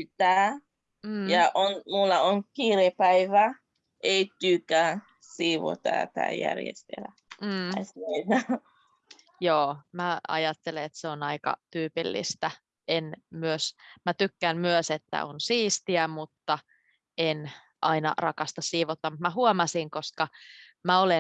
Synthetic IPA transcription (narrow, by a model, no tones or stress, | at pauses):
yt̪æː | jɑʔonmulːɑoŋkiːɾepæiʋæ | ʔeit̪ykæ | siːʋo̰t̪ɑ̰ːt̪æ̰ːjæ̰rjḛst̪ḛlæ | m̩ːseinɑ | joːmæɑ̰jɑt̪ːeleet̪seonɑikɑ̰t̪yːpḭlːḭst̪æ | enmyøsmæt̪ykːænmyøset̪ːæ̰onsiːst̪iæmut̪ːɑ | en | ʔɑinɑ̰rɑkɑst̪ɑssiːʋot̪ːɑmut̪mæɦuomɑsiŋkoskɑ | mæole